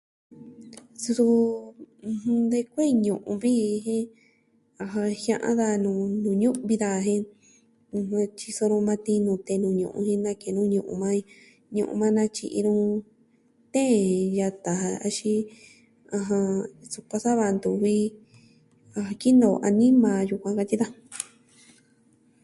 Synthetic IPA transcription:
su˧tũ˧ | hd̪e˧kʷe˦˧ɲũ˨ʔṵ̃˧βi˦˧ɦĩ˦ | a˧ɦã˧hjã˧ʔã̰˦ða˧˨nũː˨˧˨nũ˨˧ɲũ˦βi˧ða˧ɦẽ˦˧ | hũ˧t͡ʃi˧so˧ɾũ˧mã˧t̪ĩ˧nũː˧t̪e˧nũ˨˧ɲṵ̃˨ʔṵ̃˧hĩ˧˦nã˧ke˨nũ˦˧ɲũ˨ʔṵ̃˧mã˦ĩ˧ | ɲṵ̃˧ʔṵ̃˧mã˦nã˧t͡ʃḭ˧ʔḭ˧ɾũ˦˧ | t̪ẽ˦˨˧ja˧t̪a˨a˧a̰˧ʃi˧ | ã˧ɦã˧su˧kʷa˧sa˦βa˧nd̪u˨βi˦ | a˧hã˧ki˦nõ˨ʔa˧nĩ˦mã˨ju˧kʷã˧ka˧t̪i˦ða˦

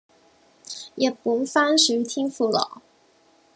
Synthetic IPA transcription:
jɛ˨˩pu˧˥ŋfa˥nʂɻ̩˨˩y˧˥t̪ʰi˥ŋfu˥˩lɑ̰˨˩˦

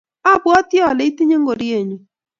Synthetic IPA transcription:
a˦˨bwɔ˦t̪jɔ˨le˨˦i˦t̪i˦ɲe˦ŋɡo˨ɾje˨ɲi˨

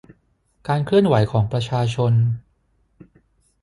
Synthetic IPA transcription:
kaː˧nkʰlɯ˥˩ənwa˩˦jkʰɔː˩˦ŋpɾa˧t͡ɕʰaː˧t͡ɕʰo˧n

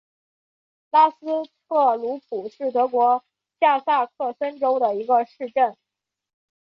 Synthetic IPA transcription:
la˥sɹ̩˥tʰɤ˥˩lu˧˥pʰu˨˩ʂɻ̩˥˩t̪ɤ˧˥kwɔ˧˥ | t͡ɕja˥˧sa˥˧kʰɤ˥˩sə˥nʈ͡ʂo˥ʊd̪ə˨i˧˥ɡə˧ʂɻ̩˥˧ʈ͡ʂə˥˩n

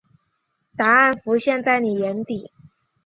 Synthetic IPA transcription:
t̪a˧˥a˥˩nfu˧˥ɕjɛ˥˧nt͡sa˥˩ɪni˨˩jɛ˧˥nt̪i˨˩˦

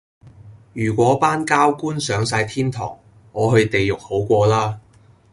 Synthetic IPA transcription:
jyː˨˩kʷɔː˨˥paː˥nkaː˥wkuː˥nsœː˨˧ŋsaː˧jt̪ʰiː˥nt̪ʰɔ̰ː˨˩ŋː | ɔː˨˧ɦɵ˧ɥt̪e˨jjʊ˨k̚ho˨˥wkʷɔː˧laː˥

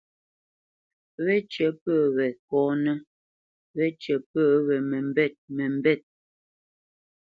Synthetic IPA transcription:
βɛ˦t͡ʃə˨˦pəː˦˨wɛ˨kɔː˨˦nɛ˦ | wɛ˦t͡ʃɛ˨pəː˦˨wɛ˨mɛ˨m˦bɛ˦˨t̚mɛ˨m˨bɛ˦˨t̚

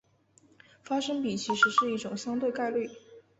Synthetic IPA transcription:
fa˥ʂɤ˥ŋpi˨˩t͡ɕʰi˧˥ʂɻ̩˧˥ʂɻ̩˥˧i˥˩ʈ͡ʂʊ˨˩ŋɕjɑ˥ŋt̪̬we˥˧ɪka˥˧ɪly˥˩

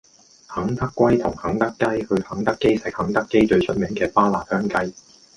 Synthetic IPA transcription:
hɐ˨˥ŋt̪ɐ˥kːʷwɐ˥jt̪ʰʊ˨˩ŋhɐ˨˥ŋt̪ɐ˥kːɐ˥jhɵ˧ɥhɐ˨˥ŋt̪ɐ˥kːe˥jsɪ˨˥k̚hɐ˨˥ŋt̪ɐ˥kːe˥jt͡ʃɵ˧ɥsʰɵ˥t̚mɪː˨˥ŋkɛː˧paː˥laː˨˩t̚hœː˥ŋkɐ˥j

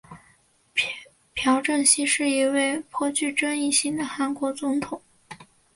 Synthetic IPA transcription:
pʰjɑ˧˥ʊʈ͡ʂə˥˩ŋɕi˥ʂɻ̩˥˩i˧˥we˥˩ɪpʰwɔ˥˧t͡ɕy˥˩ʈ͡ʂa˥ni˥˩ɕi˥˩ŋd̪ə˩xa˧˥nkwɔ˧˥t͡sʊ˧˥ŋt̪ʰʊ˨˩˦ŋ

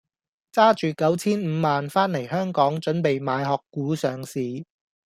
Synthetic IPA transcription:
t͡saː˥t͡ʃyː˨kɐ˨˥wt͡sʰiː˥nm̩˨˧maː˨nfaː˥nle˨˩jhœː˥ŋkɔː˨˥ŋt͡ʃɵ˨˥npe˨jmaː˨˧jɦɔː˨kːuː˨˥sœː˨ŋsiː˨

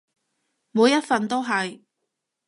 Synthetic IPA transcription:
muː˨˧jɐ˥t̚fɐ˨nt̪o˥wɦɐ˨j

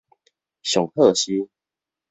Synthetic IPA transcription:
ɕjɔ˨˩ŋhɤ˥˨ɕi˦

